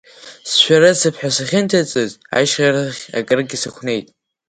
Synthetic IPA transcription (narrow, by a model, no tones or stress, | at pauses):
sʃᶣaɾasɨpʰħʷᶣasaχʲɪntʰat͡sʼɨza̰jʃʁʲaɾaχʲa̰kʼɨrɡʲɪsɨχʷʰne̞jtʼ